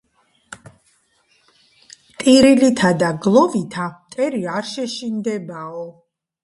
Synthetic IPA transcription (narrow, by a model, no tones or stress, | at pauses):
t̪ʼiɾilit̪ʰad̪aɡlˠɔvit̪ʰat̪ʼɛɾiaɾʃɛʃind̪ɛbaɔ